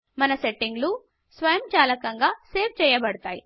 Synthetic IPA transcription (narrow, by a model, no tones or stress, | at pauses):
mɐnɐseʈːiŋɡlu | sʋɐjɐmt͡ʃaːlɐkɐŋɡaːseːp̚ʰt͡ʃɛːjɐbɐɽɐt̪aːji